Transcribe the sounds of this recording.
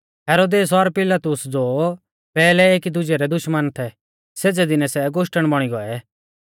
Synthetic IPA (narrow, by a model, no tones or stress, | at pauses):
ɦɛːɾoːd̪eːs̬ɔɾpɪlat̪ʊsd͡zo | pɛːlɛeːkid̪ʊd͡ʒɛɾɛd̪ʊʃmənt̪ʰɛ | seːd͡zɛd̪ɪnɛsɛɡoʃʈəɽ̃bɔɽ̃iɡɔɛ